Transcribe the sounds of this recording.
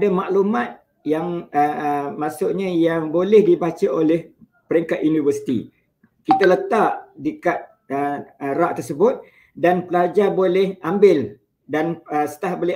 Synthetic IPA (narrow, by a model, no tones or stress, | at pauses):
adamaʔlumãt̪̚ | jaŋəmaʔsuʔɲãjaŋbolɛhdibat͡ʃaolɛh | pəɾiŋkat̪junivərsi̥t̪ḭ | kit̪alət̪aʔdikat̪̚ | əɾaʔt̪ərsəbʊt̪̚ | danpəlad͡ʒabolɛhambɪl | danəsə̥t̪ahbolɛ